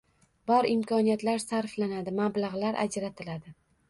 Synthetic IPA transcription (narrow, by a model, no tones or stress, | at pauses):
bɒɾɪmkʰɒnijat̪laɾsaɾflanad̪ɪmablaʁlaɾʔa̰d͡ʒɾat̪ʰɪlad̪ɪ